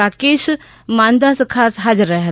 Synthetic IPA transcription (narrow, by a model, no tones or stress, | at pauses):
aːkeːʃ | mãːnd̪asɐkʰaːsɦaːd͡ʒəɾːɐɦ